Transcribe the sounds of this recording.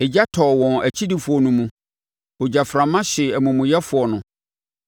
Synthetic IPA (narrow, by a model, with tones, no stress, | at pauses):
e˨d͡ʑa˦tʰɔ˨wɔ̃˨næ˨t͡ɕʰi˦di˨fʊ˨ɔ˨nũ˦mũ˦ | o˨d͡ʑa˨fɾã˨mã˦ɕɪ˨æ˨mũ˨mʊ̃˨jɛ˦fʊ˨ɔ˨nʊ̃˦